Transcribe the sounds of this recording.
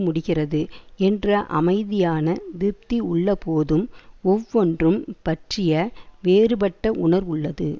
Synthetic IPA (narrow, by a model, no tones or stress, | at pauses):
mʊɽɪɣɪrɐðɯɛndrɐʔɐ̰mɐɪðɪjaːnɐd̪ɪɾp̚t̪iʊɭːɐpoːðɯmɔʋːɔndrɯmpɐʈrɪjɐʋeːrɯbɐʈːɐʔʊnɐɾʋʊɭːɐðɯ